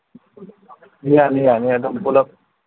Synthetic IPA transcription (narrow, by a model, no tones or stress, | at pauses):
ijanijaniad̪əmpulak̚